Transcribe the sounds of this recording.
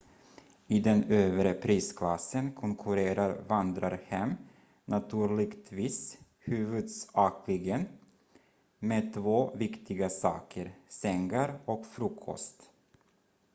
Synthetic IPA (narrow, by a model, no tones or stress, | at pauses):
ɪd̪ɛnøːvɾəpʰɾiːskʰlasːənkʰɔŋkʰɵɾeːɾaɾvand̪ɾaɾhɛm | nat̪ʰʉ̟ːɭɪɡt̪viːs | hʉ̟ːvɵd̪sɑːkʰlɪɡən | meːt̪ʰvoːvɪkt̪ʰɪɡasɑ̰ːkʰəɾsɛŋɡaɾɔkfɾuːkʰɔ̰st̪